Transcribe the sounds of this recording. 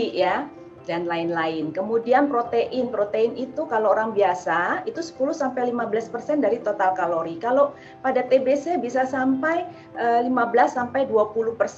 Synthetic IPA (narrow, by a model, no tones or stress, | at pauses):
ja | danlaɪnlaɪnkəmudianpɾot̪eʔɪnpɾot̪eɪnit̪ukaloːɾaŋbiasait̪usə̥pulusampajlimabəlaspərsɛndaɾit̪ot̪alkaloɾikalo | padat̪ebesabisasampaj | ʔəːlimabəlasːampajduapuluhpərs